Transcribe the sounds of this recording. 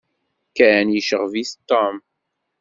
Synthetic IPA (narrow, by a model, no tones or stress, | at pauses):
kænjəʃəʁviθt̪ːom